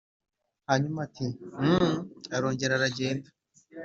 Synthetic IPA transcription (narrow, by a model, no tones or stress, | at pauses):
haɲumati | aɾo̞ːɲɟe̞ɾaɾaɟe̞ːndḁ